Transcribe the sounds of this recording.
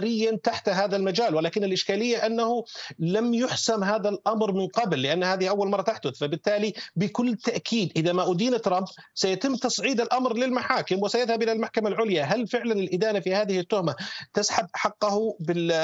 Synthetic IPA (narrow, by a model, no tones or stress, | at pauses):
ɾɪjːant̪aħt̪ɦaːðalmad͡ʒaːlwɪlaːkɪnɪlʔɪʃkaːlɪjːaʔanːahʊlamjʊħsamɦaːðalʔɑmɾmɪnqɑblːɪʔanːhaːðɪhʔawːalmɑrˤːɑt̪aħd̪ʊθfabɪt̪ːaːlibɪkʊlːt̪aʔkʰiːd̪ʔɪðamaʔʊd̪iːnɪt̪ːɾˤɑmb | sajat̪ɪmːt̪ɑsˤʕiːd̪ɪlʔɑmɾlɪlmaħaːkɪmwɪsajaðhabʔɪlalmaħkamalʕʊljaɦalfɪʕlanɪlʔɪd̪aːnafihaːðɪhɪt̪ːʊhmat̪ɪsħab̪ʔħɑqːʊhʊbɪ